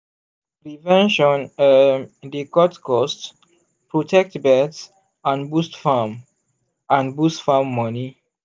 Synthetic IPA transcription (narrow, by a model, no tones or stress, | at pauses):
pɾivɛ̃nʃɔ̃nədikɔtkɔst | pɹotʰɛk̚tbɛts | ãnbustfam | ãnbustfamːɔni